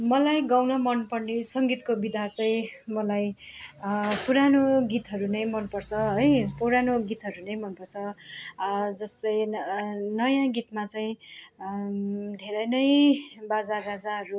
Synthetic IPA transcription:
mʌlajɡawnʌmʌnpʌrnisʌŋɡit̪kobid̪ʱat͡saĩmʌlaj | puɾanoɡit̪ɦʌɾunʌj̃mʌnpʌrt͡sʰʌɦʌjpoɾanoɡit̪ɦʌɾunʌjmʌnpʌrt͡sʰʌ | d͡zʌst̪ʌj | nʌjãɡit̪mat͡saĩ | d̪ʱeɾʌjnʌjbad͡zarad͡zaɦʌɾu

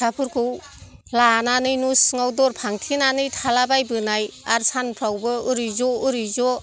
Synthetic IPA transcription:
apʰɯɾkʰɯw | lananɯjnusŋawdɔɾpʰaŋtʰinanɯjtʰalabajbɯnajaɾsʰanpʰɾawbɯɯɾizɔuɾizɔ

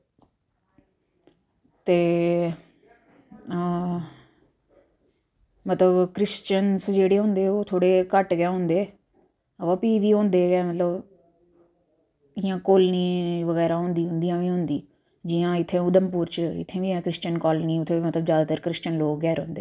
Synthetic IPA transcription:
t̪eː | mət̪ləbkɾɪst͡ʃənsd͡ʒeːɽeːɦʊ̃ːnd̪eːoːt̪ʰoːɽeːkəʈɡãːɦʊ̃nd̪eː | ʋaːpiːʋiːõːnd̪eːɡɛːmət̪ləb | ɪjãːkoːlniːʋəɡɛːɾaːɦʊ̃ːnd̪iːɦʊ̃nd̪ijãːʋiːɦʊ̃nd̪iː | d͡ʒiːãːɪt̪ʰːẽːʊd̪əmpuːɾt͡ʃɪ̰t̪ʰːẽːʋiːɛ̃ːkɾɪst͡ʃənkɔːlniːʊt̪ʰːeːmət̪ləbzjaːd̪aːt̪əɾkɾɪst͡ʃənloːkɡɛːɾɦõ̰ːnd̪eː

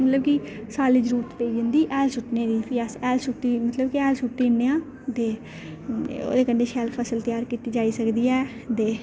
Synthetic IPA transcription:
mət̪ləbki | saːlɪd͡ʒɾuːt̪peːid͡ʒə̃nd̪iːʔɛːlsʊʈneːd̪iːpɪjaːsɛːlsʊʈːiːmət̪ləbkiɛːlsuʈːiːnːeãː | t̪eː | o̰ːd̪eːkəɳɖeːʃɛːlpʰəsəlt̪ɪjaːɾkiːt̪iːd͡ʒaːiːsəkd̪iːɛː | t̪eː

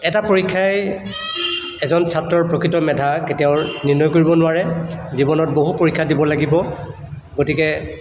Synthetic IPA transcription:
ɛtapoɹikʰːaj | ɛzɔnsʰatɹɔɹpɹokɹitɔmɛdʱaketijaʊniɹnɔjkoɹibɔnʊaɹɛzibɔnɔt̚boɦupoɹikʰːadibɔlaɡibɔ | ɡotikɛ

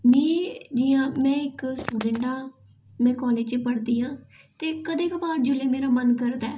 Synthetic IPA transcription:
niːd͡ʒɪːãːmɛ̃ːɪksʈuːɖẽɳʈaː | mɛ̃ːkɔːleːd͡ʒt͡ʃpəɽd̪iːɦãː | t̪eːkəd̪eːkabaːɾd͡ʒʊleːmeːɾaːmənkəɾd̪aː

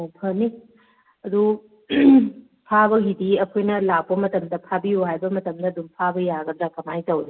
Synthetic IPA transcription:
pʰɐni | ɐd̪u | pʰaβɐɦidiɐkʰojnɐlak̚pɐmɐtɐmdɐpʰabiuɦajbɐmɐtɐmdɐːd̪umpʰabɐjaɡɐdɾakɐmajtɐwɾi

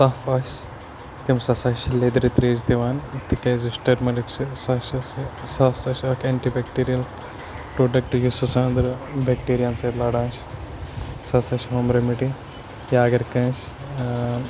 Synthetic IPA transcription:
saːfɐːʃ | t̪imsɐsɐʃled̪ɾit̪ɾeːd͡ʒt̪iʋaːnt̪ikɐ̃ːzisʈɐɾmɐlikt͡ʃisɐʃɐssasɐʃɐkʰeːɳʈibekʈiːɾijɐl | pɾoːɖɐk̚ʈjusɐsɐ̃ːnd̪ɐɾbekʈiːɾijɐnsɐt̪lɐɽãːnʃ | sɐsɐʃɦoːmɾemiʈi | jaːɡɐɾkɐ̃ːs

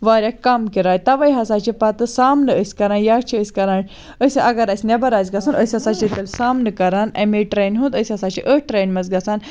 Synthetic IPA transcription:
ʋaɾʲjakkːamkiɾajt̪aʋɐjɦɐsat͡ɕipat̪əsamnəəsʲkɐɾãnjat͡ʃʰiəsʲkɐɾãn | əsʲeʔɐɡɐɾasʲnʲabɐɾajt͡sɡɐsanəsʲɐsat͡ɕit̪elsamnəkɐɾanɐ̰̃meʈɾejnɦũnd̪əsʲɐsat͡ɕiʔəʈ̚ʈɾejnmɐd͡zɡɐsan

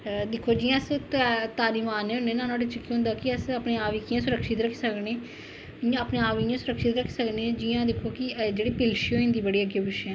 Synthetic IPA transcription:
d̪ɪkʰːoːd͡ʒiːãːst̪t̪aːɾiːmaːnːeːɦʊ̃neːnãːnoːɖɪt͡ʃəkːiɦʊ̃nd̪aːkɪəsəpneːaːʋikijãːsʊɾəkʃɪt̪ɾəkʰːisəkneː | ãəpnẽːaːʋijãːsʊɾəkʃɪt̪ɾəkʰːsəkneːd͡ʒɪːãːd̪ɪkʰoːkɪd͡ʒeːɽiːpɪlʃioːɪ̃nd̪iːbəɽiːəɡeːbɪʃɛ̃ː

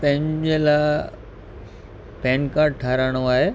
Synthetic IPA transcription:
pɐ̃ɦɪ̃ɲd͡ʑela | pɛ̃ːnkaːʈ̚ʈʰaːɾaːɽ̃oaːɦeː

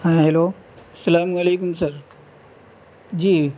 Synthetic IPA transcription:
hãɦeloː | ɐsɐlaːmɐleːk̬ʊmsɐɾ | d͡ʑiː

